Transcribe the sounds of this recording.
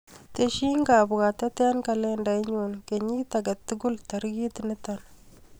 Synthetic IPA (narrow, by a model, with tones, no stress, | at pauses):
te˨ʃi˦ŋɡa˨bʊ˨ɡa˨ta˦te˦nka˨le˦nda˨ɪ˦ɲo˨nke˨ɲi˦ta˨ɡɐ˨tːɪ˦ɡʊ˦ltɐ˨ɾɡi˦tɪ˨nɪ˦ta˨n